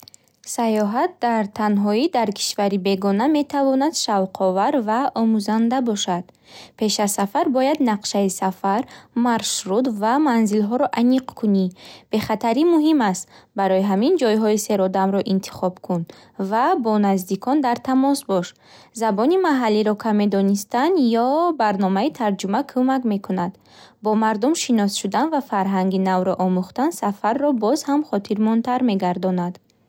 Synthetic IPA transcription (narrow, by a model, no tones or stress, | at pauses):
sajɔɦat̪̚d̪aɾt̪ʰanɦɔid̪aɾkʰi̥ʃvaɾibe̞ɡɔname̞t̪ʰavɔnad̪̥ʃavqʰɔvaɾvaɔmuzand̪abɔʃad̪̥ | pʰe̞ʃasːafaɾbɔjad̪naqʃaisafaɾmaɾʃɾud̪vamanzilɦɔɾɔʔaniqkʰunib̥e̞χat̪ʰaɾimuɦimast̪baɾɔjiɦamind͡ʒɔjɦɔise̞ɾɔd̪amɾɔʔint̪ʰi̥χɔbkʰun | vabɔnazd̪ikʰɔnd̪aɾt̪ʰamɔsbɔʃ | zabɔnimaɦalːiɾɔkʰame̞d̪ɔnist̪and̪jɔbaɾnɔmait̪ʰaɾd͡ʒumakʰumakme̞kʰunad̪ | bɔmaɾd̪umʃinɔsʃud̪anvafaɾɦaŋɡinavɾɔʔɔmuχt̪ansafaɾːɔbɔzhamχɔt̪ʰiɾmɔnt̪ʰaɾme̞ɡaɾd̪ɔnad̪